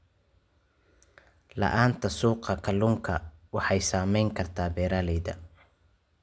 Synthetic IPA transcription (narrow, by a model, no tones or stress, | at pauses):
lɐ̰ʔaːnt̪ʰɐsuːqɑkʰɐlʊŋkʰɐwɑħɑjsaːmɛjŋkʰɐrt̪ʰaːbɛːɾalɛjðɐ̰